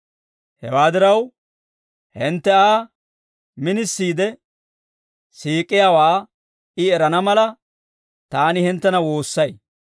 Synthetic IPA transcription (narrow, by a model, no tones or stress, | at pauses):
hɛwaːd̪ɪɾɐw | hɪnt̪ːɛaː | mɪnɪsːiːd̪ɛ | siːkʼːɪjaːwaː | ɪɛɾɐnɐmɐlɐ | t̪aːnɪhɪnt̪ːɛnɐwo̞ːsːɐj